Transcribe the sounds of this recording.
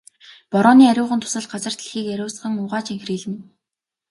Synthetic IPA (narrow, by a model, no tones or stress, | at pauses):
pɔɾɔːniːæɾʲʊːʁə̆nt̪ʰʊ̥sə̆ɮɢat͡sə̆r̥t̪ɮɘ̥̆xiːkæɾʲʊːs̆χə̆ŋʊʁaːt͡ɕiŋxriːɮ̆men